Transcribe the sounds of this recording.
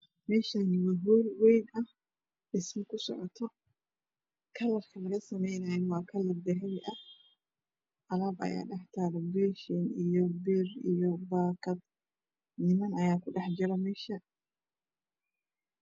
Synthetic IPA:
mɛːʃanwɐɦuːlwɛjnɐh | ɗɪsmɪkʊsɔ̰ʕɔt̪ʰɔ | kʰɐlɐrkʰɐlɐɣɐsɐmɛjnɐjɛnwaːkʰɐlɐbɛɦɛlɪʔɐ | ʔɐlɐbʔɐ̰ja̰ːɗɐħt̪ʰaɾɔbɛʃɔnijɔbɪɾijɔbaːkɐd̪ | nɪmɐnɐjaːkʊɗɐħd͡ʒɪɾɐmɛːʃɐ

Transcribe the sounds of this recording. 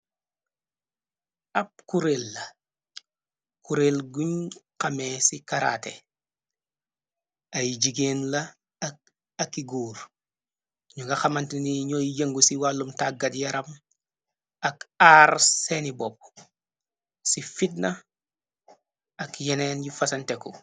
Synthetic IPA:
ɐp̚kuɾelːɐ | kuɾelɡuɲqɐmesikaɾa̰tḛ | ɐjɟiɡenlɐ | ɐkːiɡuːɾ | ɲuɡɐxɐmantiniɲojjɐŋɡusiwalːumtaɡɐtjɐɾɐm | ɐkaɾsenibop̚ | sifit̚nɐ | ɐkjenenjufɐsɐnteku

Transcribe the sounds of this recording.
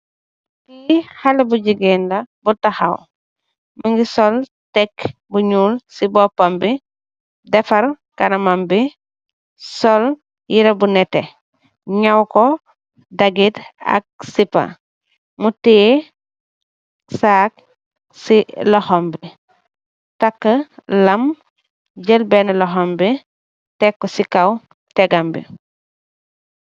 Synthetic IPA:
kihalɐbuɟiɡɛnlɐbutaxa̰w | maŋɡisɔltɛk | buɲuːlsibɔpambi | dɛfɐɾ | kaɾɐmambi | sɔl | jiɾɐbunɛte | ɲawkɔ | daɡita̰k̚sipa̰ | muti | saːk̚ | silɔhɔmbi | takːəlɐm | ɟəlbenlɔɦombi | tɛkːɔsikaw | tɛɡambḭ

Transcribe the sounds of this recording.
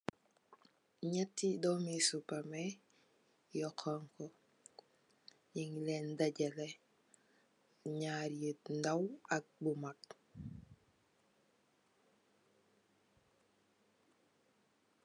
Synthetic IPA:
ɲetːidomisupame | jɔkʰaŋkɔ | ɲiŋlendaɟele | ɲaːɾiət̚n̩dawak̚bumat

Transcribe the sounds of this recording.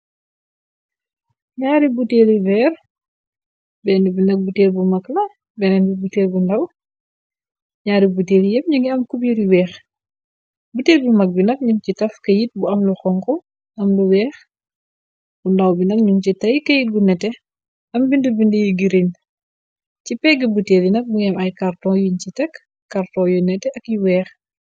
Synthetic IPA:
ɲaːɾibuteːlivɛːr | bɛndibinɐk̚butɛːlbumɐklɐ | bɛnɛnbubutɛːlbundɐw | ɲaːɾibuteːlijɛp̚ɲuŋɡiɐmkubjiɾiwɛːx | butɛːlbumɐk̚binɐk̚ɲumcitɐfkɐjit̚buɐmluxɔŋkɔ | ɐmluwɛːx | bundɐwbinɐkɲumcitɐjkɐjiɡunɛtɛ | ɐmbindəbindijuɡiɾin | cipɛɡibuteːlinɐk̚buŋɛmɐjkɐrtɔjuɲcitɛk | kːɐrtɔjunɛtɛʔɐkjuwɛːx

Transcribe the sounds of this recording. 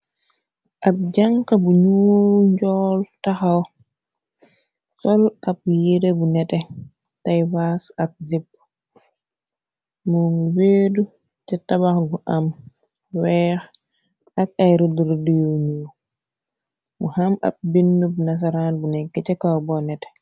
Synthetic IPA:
ʔap̚d͡ʒaŋkabuɲuːlɲɟɔːltaxaw | tɔlap̚jidebunɛtɛ | tajwasap̚zip̚ː | muŋweːdu | t͡ʃɛtabaxɡuʔam | wɛx | ak̚ajɾuduɾdiɲu | muhama̰p̚binːubunas̬aɾanbunɛkːɛt͡ʃɛkawbɔnɛtɛ̥

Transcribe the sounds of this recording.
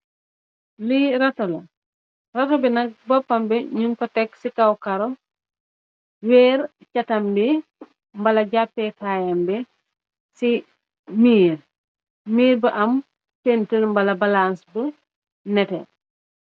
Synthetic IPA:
liɾatolɐ | rɐtobinɐk̚bɔpːɐmbɛɲuŋkɔtɛksikawkaɾo | wɛːɾ | cɐtɐmbi | mbɐlɐɟapːɛtaːjambɛ | si | miːɾ | miːɾbəʔɐm | pentəlmbɐlɐbalansbə | nɛtɛ

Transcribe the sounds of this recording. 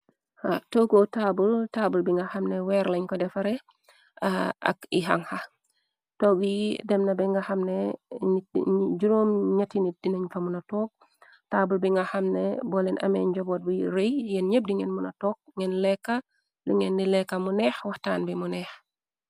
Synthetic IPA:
ha̰toːɡotaːbultaːbulbiŋɡɐhɐmnɛwɛɾlɐɲkɔdɛfɐɾɛ | a̰kiɦaŋha | tɔːɡijidɛmnɐbɛŋɡɐhɐmnɛniɟuɾoːmɲatinit̚d̥inɐɲfɐmunɐtɔːk̚ | taːbulbiŋɡɐxɐmnɛ̰bɔlɛnʔɐ̰mɛɲɟɔbɔt̚buɾejjɛnɲep̚diŋɛnmunɐtɔːk̚ŋɛnlɛkːa | liŋɛnːilɛkːɐmunɛːxwahtaːnbimunɛːx

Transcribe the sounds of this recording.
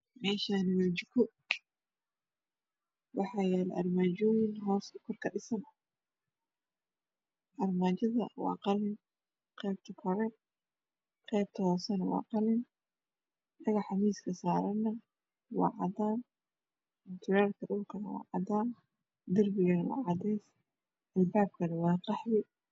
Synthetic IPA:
mɛːʃaːnɪwaːt͡ʃɪkʰʊ | wɑħɑːjɛːlɛʔɐ̰rmaːd͡ʒɔwɪnɦɔːskʰʊrkʰɐɗɪsɐnɐ | ʔɐrmaːt͡ʃɐðɐ̰wɑ̰ːqɑlɪn | qɛːb̥̚t̪ʰɐkʰɔɾɛn | qɛːb̚t̪ʰɐhɔːsɐnwɑ̰ːqɑlɪn | jɐɣɐħɑmiːskʰɐsaːɾɐnːɐ | wɑ̰ːʕɑd̪aːn | ɪnt̪ʰʊɾaːrkʰɐɗʊlkʰɐnɐwɑ̰ːʕɑd̪aːn | d̪ɐrbɪɣɐnwɑ̰ːʕɑd̪ɛjs | ʔɐlbaːb̚kʰɐnɐwɑːqɑħwɪ

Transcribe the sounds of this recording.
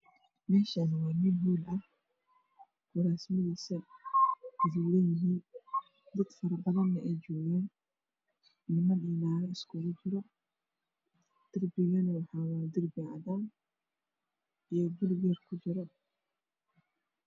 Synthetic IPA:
mɛːʃanɪwaːmɪnɦuːlɐh | ɡ̥ʊɾaːsmɐðiːsɐ | ɪzuːlɛjɪɦiːn | d̪ɐd̪fɐɾbɐðɐnːɐʔɛjd͡ʒɔːɣɛːn | nɪmɐnɛːnaːɾɐɪskʰʊɣʊd͡ʒɪɾɔ | d̪̥ɪrbɪɣɐnɐwɑħɑːwaːd̪ɪrbɪʕa̰ðaːn | ijɔbʊlɡɛrkʰʊd͡ʒɪɾɔ

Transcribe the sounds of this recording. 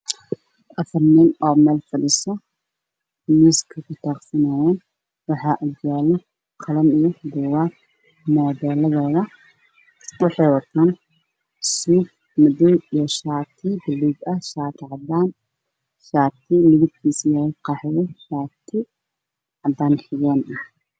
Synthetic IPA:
ʔɐfɐrniːnɔːmɛːlfɐlɪsɔ | miːskʰɐkʰʊt̪ʰaːqsɐnaːjaːn | wɑħɑːʔuɡjaːlɛ | qʰɑlɐmijɔɡʊwa | mɔːðɛːlɐðɛːðɐ | wɑħɑjwɐt̪ʰaːn | suːb̚ | mɐdɔwijɔʃaːt̪ʰɪbɪluːɡɐhʃaːt̪ʰɪʕɑd̪aːn | ʃaːt̪ʰɪlɪβɪt̪kʰiːsjaːɪqɑːħɪjɛʃaːt̪ʰɪ | ʕɑd̪aːnħɪjɛːnʔɐh

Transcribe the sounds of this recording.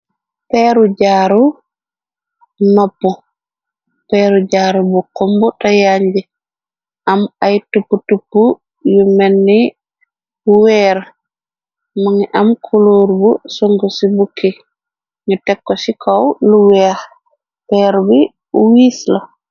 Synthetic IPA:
pɛɾud͡ʒaːɾu | nɔpːu | pɛɾud͡ʒaːɾubukɔmbɔtajaɲd͡ʒi | ʔamajtupːutupːu | jumɛnːi | buwɛɾ | maŋʔamkʰuloɾbusoŋɡusibukʰːi | ɲutɛkːɔsikʰɔwluwɛa | pɛɾubi | wiːslɔ

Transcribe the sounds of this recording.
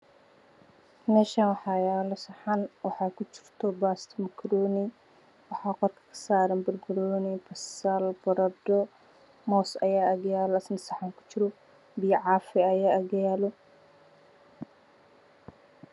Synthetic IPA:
mɛːʃanwɑħɑːjaːlɔsɐħɑnwɑħɑːkʰʊt͡ʃɪ̥r̥t̪ʰɔbaːst̪ʰmɐkʰɾɔːni | wɑħɑːqɔrkʰɐ̥kʰɐ̥saːɾɐnbɐrbʊɾɔːnibɐsalbɐɾɐd̪ɔ | mɔːsɐ̰jaːɐɣjaːlɔɐsnɐsɐħaŋkʰʊ̥t͡ʃɪɾɔ | bɪjʕɑːfɪɐjaːɐɣɐjaːlɔ

